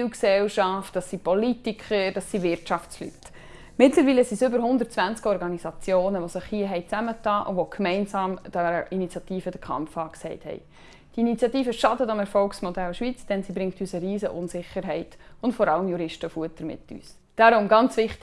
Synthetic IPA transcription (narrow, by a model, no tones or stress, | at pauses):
wksɛlʃɑftd̥ɑsipɔlitikχəɾd̥ɑsːivɪɾtʃɑft͡sly̰t | mɪtləɾviːləsisʏbəɾɦʊnd̪əɾt̚t͡svænt͡skɔɾɡɑnizɑt͡sjoːnəʋosɪχhiəɦɛɪt͡sæmət̪ɑːʔʊ̰nvɔkʰmɛɪnsɑːmd̥əinit͡sjɑtiːfədəkʰɑ̰mfɑːksɛɪthɛ̰ɪ | d̥iinit͡sjɑtiːfəʃɑdətɑmɛɾfɔlksmɔdælʃʋit͡sd̥ɛnsibɾɪŋktysəɾiːsəʔʊnsɪχːəɾɦɛɪtʊntfɔɾɑləmjuɾɪʃtəfuətːəɾmɪ̰tʰːy̰ːs | d̥ɑɾʊmɡɑnt͡sʋɪχt